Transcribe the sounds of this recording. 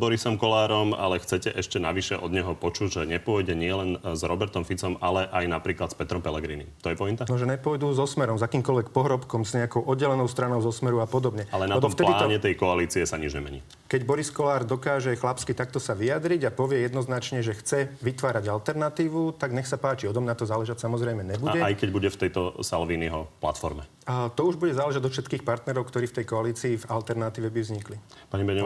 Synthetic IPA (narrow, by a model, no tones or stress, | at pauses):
bɔɾisɔmkɔlaːɾɔma̰lɛxt͡sɛcɛʔɛʃcɛna̰ʋiʃɛʔɔ̰d̪ɲɛɦɔpɔt͡ʃuɟʒɛɲɛpʊɔjɟɛɲɪɛlɛnzɾɔbɛɾt̪ɔmfit͡sɔmalɛʔajnapɾiːklat̪spɛt̪ɾɔmpɛlɛɡɾiːnḭt̪ɔjɛpɔint̪anɔʒɛɲɛpɔjd̪uzɔsmɛɾɔmzakiːmkɔlʋɛk̚pɔɦɾɔpkɔmzɲɛakɔʊʔɔd̪ɟɛlɛnɔʊst̪ɾanɔʊzɔsmɛɾuapɔd̪ɔbɲɛalɛnalɛb̪ɔfp̪t̪ɛliːɲɛt̪ɛjkɔaliːt͡siɛsaɲid͡ʒɲɛ̰mɛ̰ɲḭː | kɛɟbɔɾiskɔlaːɾd̪ɔkaːʒɛxlapskit̪ak̚t̪ɔsaʋijad̪ɾiɟapɔʋɪɛjɛd̪nɔznat͡ʃɲɛʒɛxt͡sɛʋit̪ʋaːɾaɟalt̪ɛɾnat̪iːʋut̪aɡɲɛxsapaːt͡ʃiɔt̪ɔmnat̪ɔzaːlɛʒatsamɔzɾɛjmɛɲɛbuɟɛajkɛɟbuɟɛft̪ɛjt̪ɔsalʋiːniɦɔpla̰t̪fɔ̰ɾmɛ̰ | t̪ɔuʒbuɟɛzaːlɛʒad̪ɔfʃɛt̪kiːxpaɾt̪nɛɾɔʊkt̪ɔɾiːft̪ɛjkɔaliːt͡siːvalt̪ɛɾnat̪iːʋɛbivzɲiklipaɲibɛɲ